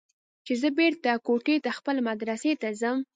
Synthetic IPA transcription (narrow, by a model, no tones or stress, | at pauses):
t͡ʃezəbeɾt̪akoʈet̪axpəlemad̪ɾaset̪azəm